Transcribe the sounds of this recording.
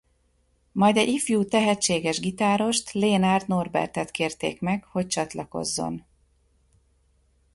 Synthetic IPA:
mɒjd̪ɛɟifjuːt̪ɛɦɛt͡ʃːeːɡɛʒɡit̪aːɾo̞ʃt̪leːnaːrt̪no̞rbɛ̰rt̪ɛt̪keːrt̪ḛːkmɛkho̞c̚t͡ʃɒt̪lɒko̞̰zːo̞̰n

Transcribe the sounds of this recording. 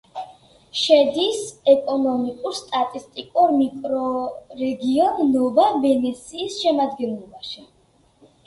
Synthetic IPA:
ʃɛd̪isɛkʼɔnɔmikʼuɾst̪ʼat̪ʼist̪ʼikʼuɾmikʼɾɔɾɛɡiɔnːɔvavɛnɛt̪sʰiːsʃɛmad̪ɡɛnlˠɔbaʃi

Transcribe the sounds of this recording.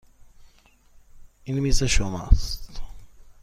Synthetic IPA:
inmiseʃoma̰st̪

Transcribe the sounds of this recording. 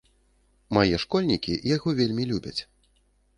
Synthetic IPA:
majɛʂkɔlʲnʲikʲijaɣɔvʲelʲmʲilʲubʲɐt͡sʲ

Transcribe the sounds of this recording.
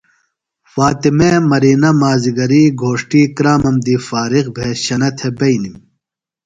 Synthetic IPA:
faːt̪imeːmɐɾiːnɐmaːziɡɐɾiːɡʱoːʂʈiːkɾaːmɐmd̪iːfaːɾiɣbʱeːɕɐnɐt̪ʰebɐjnim

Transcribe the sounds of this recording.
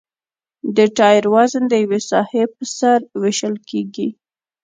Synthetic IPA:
d̪əʈɑjɾwazənd̪əjawesɑhepəsaɾweʃəlkeɡi

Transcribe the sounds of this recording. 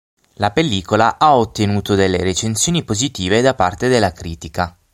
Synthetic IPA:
lapelːiːkolaʔaot̪ːenuːt̪od̪elːeɾet͡ʃensjoːnipozit̪iːved̪apart̪ed̪elːakɾiːt̪ika

